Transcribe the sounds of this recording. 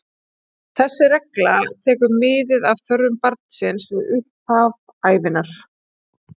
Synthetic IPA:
θɛsːɪɾɛklat̪ʰɛːkʏɾmɪːðɪðavθœɾðʏmpaɾt̪̚n̥sɪnsvɪðʏhpav | aːjvɪnaɾ̥

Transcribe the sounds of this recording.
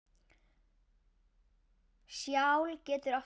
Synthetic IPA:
sjawlcɛːt̪ʏɾɔ

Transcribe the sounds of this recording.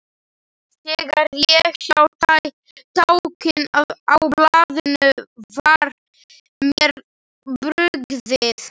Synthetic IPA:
θɛɣaɾjɛɣsawθaj | t̪ʰawcɪnaðawplaːðɪnʏvaɾ | mjɛɾ | pɾʏɣðɪθ

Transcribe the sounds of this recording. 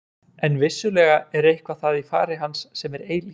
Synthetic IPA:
ɛnvɪsːʏlɛːɣaɛɾejhkvaθaðifa̰ːɾɪɦansːɛmɛɾeːjl

